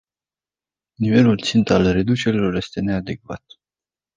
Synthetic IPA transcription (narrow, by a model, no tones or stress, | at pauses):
nive̞lult̪sint̪alre̞d̪ut͡ʃe̞ɾilo̞rje̞st̪e̞ne̞ad̪e̞kva̰t̪̚